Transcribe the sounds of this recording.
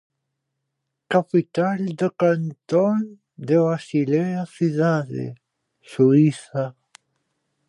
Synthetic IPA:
kapit̪ald̪əkant̪on | d̪evasileasiðaðḛ | suiθa

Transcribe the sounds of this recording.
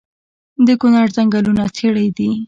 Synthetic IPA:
d̪əkʊnɑɾzaŋɡalunat͡sʰeɽajd̪i

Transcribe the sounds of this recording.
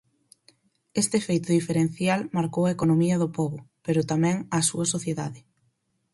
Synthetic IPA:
est̪ɪefejt̪ʊðifeɾen̟θjalmaɾkowɐekonomiɐðʊpɔβʊpeɾʊt̪amɛ̃ŋasuɐsoθjeða̰ðɪ

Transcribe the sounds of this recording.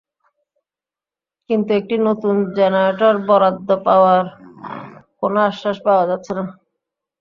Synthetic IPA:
kint̪uek̚ʈinot̪und͡ʑɛnaʈaɾbɔɾad̪ːopaoaɾ | konoaʃːaʃpaoad͡ʑat̪ːɕʰena

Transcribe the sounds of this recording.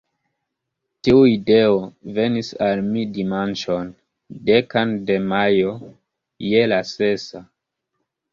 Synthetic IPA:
tiuide̞ove̞nisalmidimant͡ʃo̞n | dekande̞majo̞ | jelase̞sa

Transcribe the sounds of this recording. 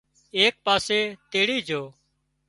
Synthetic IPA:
eːk̚paːseːt̪eːɽiːd͡ʒʱoː

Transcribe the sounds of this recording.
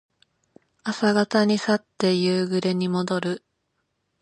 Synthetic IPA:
asaɡat̪aɲ̟isat̪ːe̞jɯːɡɯ̟ɾe̞ɲ̟imo̞d̪o̞ɾɯ̟

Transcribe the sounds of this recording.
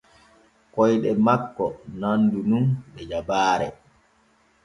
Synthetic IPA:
kɔjɗɛmakːɔnandununɓɛd͡ʒabaːɾɛ̰

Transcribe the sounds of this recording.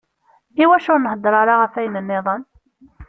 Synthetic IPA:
iwæʃʊɾnəɦd̪ɾˤɑɾaʁəfæjnənːɪðˤən

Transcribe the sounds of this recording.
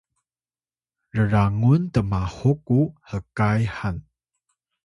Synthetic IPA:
rəɾaŋuntəmahukːuhəkajhan

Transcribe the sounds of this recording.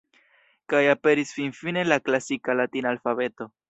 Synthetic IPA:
kajape̞ɾisfinfine̞laklasikalatinaalfaβe̞to̞

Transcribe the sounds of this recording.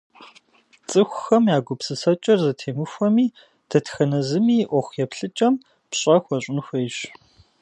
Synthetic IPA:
t͡sʼɨxʷʊxɐmjaːɡʷʊpsɨsɐt͡ʃʼɐrzɐtʰeːmɨxʷɐmiː | d̥ʰɐtxɐnɐzɨmiːʔʷɔxʷjɛpɬɨt͡ʃʼɐm | pɕʼɐxʷɐɕʼɪnxʷɐjɕ

